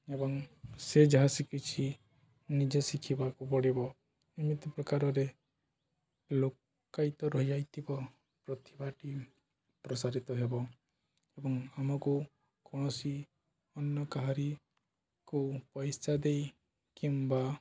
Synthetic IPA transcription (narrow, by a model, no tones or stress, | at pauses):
ebɔŋsed͡ʒɔɦasikit͡ʃʰi | nid͡ʒɔsikʰibakupɔɽibɔ | imit̪ɔpɾɔkaɾɔɾe | lok | kajt̪ɔɾɔɦjajt̪ibɔ | pɾɔt̪ibaʈi | pɾɔsaɾit̪ɔɦebɔ | ebɔŋamɔku | kɔɽ̃ɔsi | ɔnːɔkaɦaɾi | kupɔjsad̪ej | kimba